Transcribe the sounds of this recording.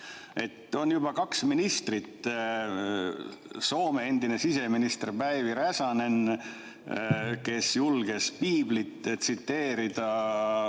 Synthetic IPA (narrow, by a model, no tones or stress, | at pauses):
e̞t̪ːˑo̞njubɑkɑksminist̪rit̪ | so̞ːme̞end̪ine̞sise̞minist̪rpæjviɾæsɑne̞n | ke̞sjulɡ̥e̞spiːblit̪ːsit̪ːe̞ːɾid̪̥ɑ